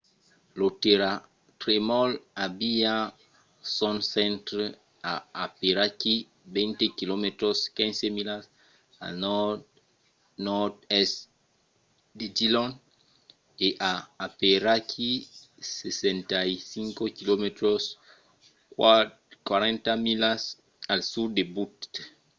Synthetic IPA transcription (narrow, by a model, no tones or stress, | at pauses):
loteɾa | tɾemɔlabia | sɔnsɛ̃ntɾ | aapeɾaki | bɛ̃ntekilometɾɔskɛ̃nsemilas | a̰nɔ | nɔtɛs | ded͡ʒilɔn | eʔaːpeɾakʰi | sesɛ̃ntaisiŋkokilomet̪ɾɔs | kwaɾɛ̃ntamilas | alsudebutt